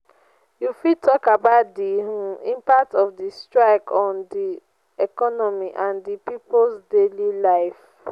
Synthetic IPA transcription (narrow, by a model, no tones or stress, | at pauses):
jufitʰɔkabaʊtdiĩmpak̚tɔfdistɹaɪkɔ̃ndi | ɛkɔnɔmiʔãndipiplsdelilaɪf